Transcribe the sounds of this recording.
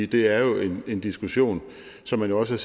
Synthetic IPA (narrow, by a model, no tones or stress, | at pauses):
d̥e̝æɐjo̝ʔe̝ne̝nd̥isɡ̥uɕo̝̰ːn | sɒ̽mːænjo̝ɒ̽səæs